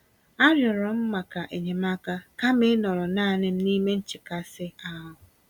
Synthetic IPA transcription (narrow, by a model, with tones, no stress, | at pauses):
a˦ɾjɔ˨ɾɔ˨m̩˦ma˨ka˨ʔe˨ɲe˨m̩˦a˦ka˦ka˦mɪ˦nɔ˨ɾɔ˨naː˦˨nɪ˦m̩˦ni˦me˦n̩˦t͡ʃɪ˨ka˦sɪ˦a˦ɦʊ˨